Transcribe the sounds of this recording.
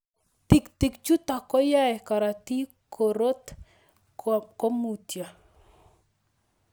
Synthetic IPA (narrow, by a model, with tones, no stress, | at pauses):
t̪ɪ˨ktɪ˨kt͡ʃu˦t̪a˨kɔ˦ja˦ɛ˨ka˨ɾa˨ti˦ | kʰo˨ɾo˦t̪ | ko˦mu˨tja˨